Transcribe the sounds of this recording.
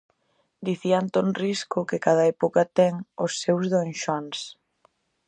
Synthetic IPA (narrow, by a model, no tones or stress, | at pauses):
d̪iθiant̪onriskʊkɪkað̞ɐɛpokɐt̪ɛŋʊsːewzðonʃans